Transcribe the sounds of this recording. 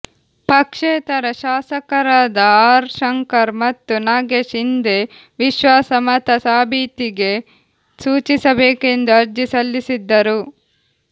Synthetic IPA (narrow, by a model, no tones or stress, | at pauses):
pɐkʂeːt̪ɐɾɐʃaːsɐkɐɾaːd̪ɐaːɾʃɐŋkɐɾmɐt̪ːunaːɡeːʃind̪e | ʋiʃʋaːsɐmɐt̪ɐsaːbʱiːt̪iɡe̞ | suːt͡ʃisɐbeːke̞nd̪uɐɾd͡ʒisɐlːisid̪ːɐɾu